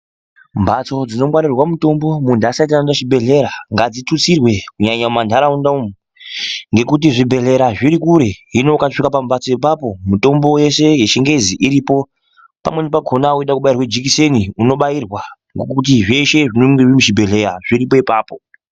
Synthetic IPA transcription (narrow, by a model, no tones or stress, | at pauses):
mbat͡so̞d͡zino̞mwaɾirwamuto̞mbo̞mundasait̬aannaʃibʱe̞ɮe̞ɾaŋɡad͡zitut͡sirwe̞kuɲaɲamandʱaɾaundaumu | ŋɡe̞kut̬iʐibʱe̞ɮe̞ɾaʐiɾikuɾe̞ɦino̞kaʂikapambat͡so̞ip̬apo̞muto̞mbo̞je̞se̞je̞ʃeŋɡe̞ziʔiɾipo̞ | pa̰mwe̞nipaɡʱonakueɗakuɓairwed͡ʒik̬ise̞niuno̞ɓairwa | ŋɡokut̬iʐe̞ʃe̞ʐinoŋɡeʐimuʒibʱe̞ɮe̞ɾa̰ʐiɾip̬o̞ipaːpo̞